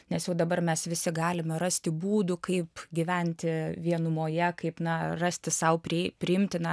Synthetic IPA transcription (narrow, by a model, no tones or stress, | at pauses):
nʲɛsjɛʊd̪ɐbɐrmʲɛsʋʲɪsʲɪɡɑːlʲɪmɛɾɑsʲt̪ʲɪbuːd̪ʊkɐɪpɡʲiʋʲɛnʲt̪ʲɪʋʲiɛnʊmoːjɛkɐɪpnɐrɑsʲt̪ʲɪsɐʊpʲɾʲɪɪpʲɾʲɪɪmʲt̪ʲɪnɐ